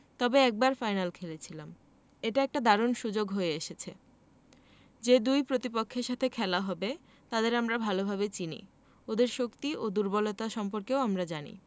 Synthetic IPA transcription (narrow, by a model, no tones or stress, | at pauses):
t̪ɔbeɛk̚baɾfajnalkʰelet͡ɕʰilam | eʈaɛk̚ʈad̪aɾonʃud͡ʑoɡɦoeeʃet͡ɕʰe | d͡ʑed̪ujpɾot̪ipokʰːeɾʃat̪ʰekʰɛlaɦɔbe | t̪ad̪eɾamɾabʱalobʱabet͡ɕinḭ | od̪eɾʃokt̪iʔod̪uɾbɔlot̪aʃɔmpoɾkeoamɾad͡ʑanḭ